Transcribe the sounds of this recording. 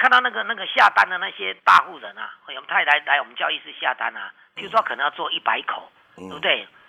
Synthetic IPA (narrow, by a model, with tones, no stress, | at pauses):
kʰnt̪ɑ˥˧na˥˩ɡə˨na˥˩ɡə˨ɕja˥˧t̪a˦nd̪ə˨na˥˧ɕjɛ˦t̪a̰˥˧xu˥˩ɻə˨˦na̰˨˧jo˨˩˦t̪ʰa˥˧i˨˩la˧˦ɪla˧˦ɪwɔ˨mə˦nt͡ɕjɑ˥˧ʊi˥˧ʂɻ̩˥˧ɕja̰˥˨t̪a˦na̰˨ | pʰi˨˩u˧˥ʂɔ˦˥kʰə˨nə˧˦ŋjɑ˧t͡swɔ˥˧i˥˩pa˨˦˥kʰo˨˩˦ | t̪ɛ˧˩bu˧t̪we˥˩ɪ